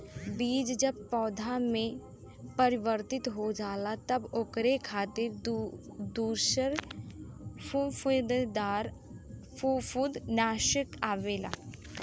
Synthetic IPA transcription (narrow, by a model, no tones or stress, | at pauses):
biːd͡ʒd͡ʒɐb̚pɔːd̪ʱamẽ | pɐɾɪʋəɾt̪ɪt̪ɦod͡ʒaːlat̪ɐbʊkɾekʰaːt̪ɪɾ | d̪uːʃəɾ | pupʊd̪d̪aːɾ | fufud̪naːʃəkaːʋeːla̰ː